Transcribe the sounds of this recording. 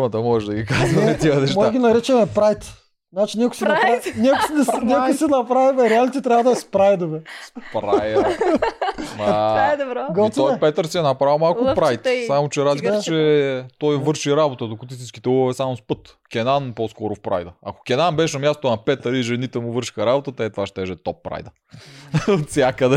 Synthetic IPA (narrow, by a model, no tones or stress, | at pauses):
mɐt̪əmɔɛʒd̪ɐɡʲikaznɐmɛɛt̪iɐnɛʃtmɡʲinɐɾɛt͡ʃɛmɛpɾajt̪ | zat͡ʃinʲɛkʊjsinɐpɾanʲɛknɛnʲɛkʊjsɛnɐpɾavimɛɾɛalit̪it̪ɾjavɐd̪ɐspɾajd̪ovɛsspɾaj | mɐd̪ɡɔsojpɛt̪əɾsiɛnɐpɾawmalˠkkʊpɾajt̪samot͡ʃɛɛɾazlikət͡ʃɛt̪ɔjvɤɾʃiɾabot̪əd̪okʊt̪is̬it͡ʃkʲit̪ɛuɐvɛsamospɤt̪ | kʲɛnanposkɔɾʊfpɾa̰jd̪əɐ̰kʊ̥kʲɛnanbɛʃnɐmʲjast̪onɐpɛt̪əɾiʒɛnit̪ɛmʊvɤɾʃi̥xɐɾabot̪ət̪ɛɛt̪vaʃt̪ɛʒɛt̪ɔpːɾa̰jd̪ə | ot̪sʲjakəd̪ɛ